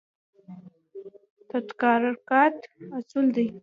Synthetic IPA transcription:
t̪at̪kɑɾaɾkɑt̪asuld̪aj

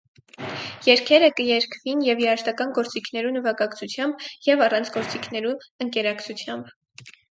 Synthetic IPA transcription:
jɛɾkʰɛɾəkəjɛɾkʰvinjɛvjɛɑʃt̪ɑkɑnɡɔɾt͡sikʰnɛɾunəvɑkɑkt͡sʰut͡sʰjɑmbjɛvɑrɑnt͡sʰɡɔɾt͡sikʰnɛɾuəŋkɛɾɑkʰt͡sʰut͡sʰjɑmb

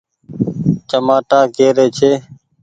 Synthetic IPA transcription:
t͡ʃəmaːʈaːkeːɾeːt͡ʃʰeː

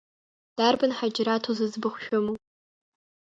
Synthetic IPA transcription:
d̥arbɨnħad͡ʒɾatʰozɨzbɨχʷʃᶣʊmu

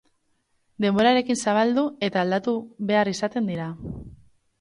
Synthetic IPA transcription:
d̪e̞mbo̞ɾaɾe̞kinsaβ̞ald̪ue̞t̪aːld̪at̪uβe̞aɾisat̪e̞nd̪iɾa

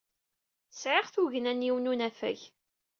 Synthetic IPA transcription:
sʕɪʁθuʝənæniwnunæfæ̰ç

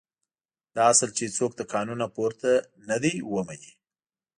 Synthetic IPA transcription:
d̪̥ɑasəlt͡ʃet͡sok̚d̪əkɑnunapoɾt̪a | nad̪ejwəmani

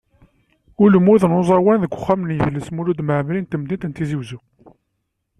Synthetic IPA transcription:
ʊləmuðnozˤɑwænðəkʷːʊ̥χːæmnjəðlːəsmulud̪məʕmlint̪əmd̪int̪ənt̪iziwzu

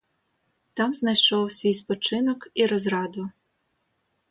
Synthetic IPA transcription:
t̪ɑmznɐjʃɔwsʲʋʲijspɔt͡ʃɪnɔkiɾɔzɾɑd̪ʊ

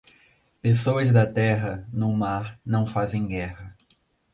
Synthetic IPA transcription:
pesowɐzd̪ɐt̪ɛɦɐnʊmaɾnɐ̃w̃fazẽj̃ɡɛhɐ

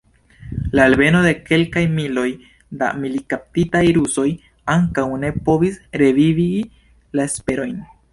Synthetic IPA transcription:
laːlbe̞no̞d̪e̞ke̞lkajmilo̞j | d̪a̰milikap̚titajɾuso̞j | aŋkawne̞po̞visɾe̞vivi | laespe̞ɾo̞jn

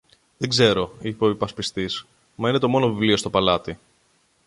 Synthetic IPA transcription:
ðeɡze̞ɾo̞ipeoipɐspist̪is | mɐine̞t̪o̞mo̞no̞vivlio̞st̪opɐlɐt̪i

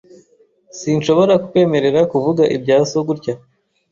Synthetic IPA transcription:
sinʃo̞βo̞ɾakukwe̞ːme̞ɾe̞ɾakuvuɡaʔḭbɟaːso̞ɡuɾca

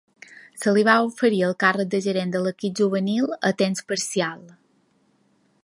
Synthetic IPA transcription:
səliβaufəɾiəlˠkarək̚d̪əʒəɾend̪ələkip̚ʒuβənilˠət̪enspəɾsialˠ

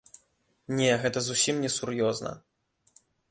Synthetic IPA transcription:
nʲɛɣɛt̪ɐzusʲimnʲɛsurjɔznɐ̰

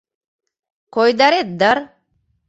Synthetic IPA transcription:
kɔjd̪aɾet̪̚d̪aɾ

